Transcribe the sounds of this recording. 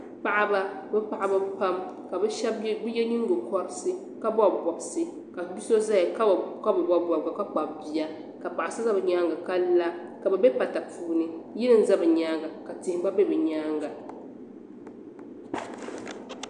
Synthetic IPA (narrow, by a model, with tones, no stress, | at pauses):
pa˦ʔa˦ba˦bɛ˦pa˨ʔa˨ba˦bpa˦mka˨bɛ˦ɛ˦bbɛ˦jɛ˦ɲi˦ŋ˦ɡo˨kɔ˦ɾsɨ˦ | ka˦bɔ˦bɔ˨bsɨ˦ | ka˨bi˦so˦za˦ja˨ka˦˨ka˦bɨ˨ba˨bɔ˨bɡa˨ka˦k͡pa˨bbi˨ja˦ | ka˨pa˨ʔa˨sɨ˦za˦bɨ˨ɲa˦ŋɡa˨ka˦la˦ka˨bɛ˨be˦pa˨ta˨pʰuː˦˨nɨ˨ji˦nɨ˨n˦za˦bɨ˨ɲaː˦ŋɡa˨ka˨tɪ˨hɪ˨˦ba˦be˦bɛ˨ɲaː˦ŋɡa˨